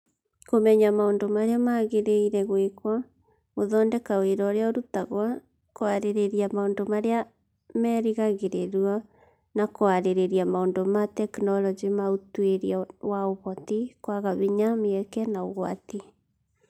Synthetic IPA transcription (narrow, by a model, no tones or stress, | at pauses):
komɛɲamaondomaɾeamaɣeɾeiɾɛɣwekwa | moðɔːndɛkaweɾɔːɾeaoɾutaɣwa | koaɾeɾeɾiamaoːndomaɾea | mɛːɾiɣaɣeɾeɾwɔ | nakoaɾeɾeɾiamaondomatɛknɔlɔd͡ʒimautweɾiawaoβɔtikwaɣaβiɲameɛkɛnaoɣwati